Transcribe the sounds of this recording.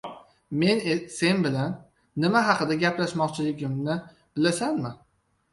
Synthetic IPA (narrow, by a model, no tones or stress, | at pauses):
me̞nse̞nbɪlanː | ɪmaɦɑqɨd̪aɡʲaplaʃmɒqt͡ʃʰɪlɪɡʲɪmnɪ | b̥ɪlasanmɪ